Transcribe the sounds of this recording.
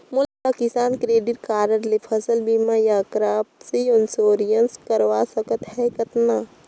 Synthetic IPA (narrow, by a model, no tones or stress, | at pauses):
mʊlpaːkɪsaːnkɾeːɖɪʈ̚kaːɾəɾlepʰɐsəlbiːmajakɾaːpsiɔnsoːɾijənskəɾʋaːsəkət̪ɦɛkɐt̪naː